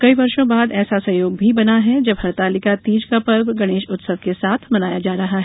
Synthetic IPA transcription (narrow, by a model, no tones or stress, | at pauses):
kɐiʋɐɾʃõbaːd̪ɛːsasɐjoːɡ̚bʱibɐnaɦɛd͡ʒɐbɦɐɾt̪aːlɪkat̪iːd͡ʒkapɐɾbɡɐɽ̃eːʃʊt̪səʋkesaːt̪ʰmɐnaːjad͡ʒaːɾɐɦaɦɛ